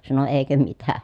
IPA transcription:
sɑno eˑikø mitæ

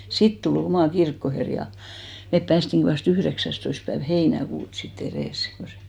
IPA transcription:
sit tul omɑˑ kirkːoher jɑ mep pæːstiŋki ʋɑst yhðeksæstoist pæeʋ heinækuːt sit ereˑs ko se

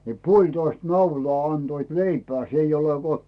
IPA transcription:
ni puolʲtoist nɑulɑː ɑnd̥oit leipĕæː s eij ole ko

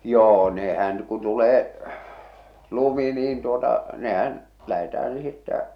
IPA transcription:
joː nehæn ku tuleː lumi niːn tuotɑ nehæn læhetæh̞æn̞ sitːæ

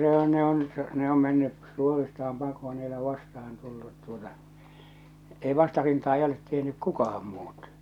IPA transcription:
se o ne on ne om menːy suoristɑːm pɑkoː n ei ole ʋɑstɑhɑn tulːut tuotɑ ei ʋɑstɑrintɑː ei olet tehnyk kukɑhɑm muːt

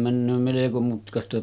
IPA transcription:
mænːøː meleko mutkɑstɑ

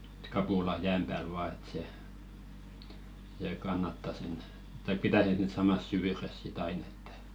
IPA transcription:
e̥t kɑpulɑ jæːm pæːl ʋɑː et se seˑ kɑnːɑtːɑ sen tɑik pitæˑ sen sit sɑmɑs syʋyres sit ɑin e̥tːæ̥

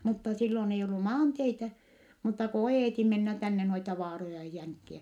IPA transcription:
mutːɑ silːon ei olːu mɑːnteitæ mutːɑ ko oeˑti menːæ tænːe noitɑ ʋɑːrojɑ jɑ jæŋkːiæ

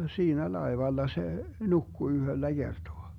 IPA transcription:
siːnæ lɑeʋɑlːɑ se nukːu yhølːæ ɡ̊ertoɑ

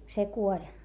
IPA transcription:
se kuolʲ

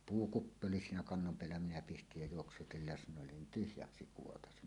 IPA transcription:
puːkupːi oli siːnæ kɑnːom peælːæ minæ pistij jæ juoksutil lesnˑoˑelːen nin tyhjæksi kuotɑsi

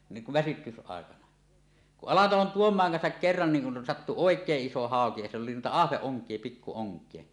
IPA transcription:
niːŋ kuʋ ʋæsytysɑˑekɑnɑ kuʔ ʔɑlɑtɑlon tuomˑɑːŋ kɑnsɑk kerːɑn niːŋ kun sɑtːu oˑekˑeːʔ ʔiso hɑoki jɑ silː oli nuitɑ ɑhʋeʔːoŋkˑie pikːu oŋkˑie

